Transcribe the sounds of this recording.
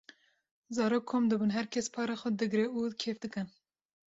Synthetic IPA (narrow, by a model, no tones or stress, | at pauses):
zɑːɾoːkʰːoːmd̪ɨbunɦɛɾkʰɛspʰɑːɾexɛd̪ɨɡɾeud̪kʰeːfd̪ɨkɨn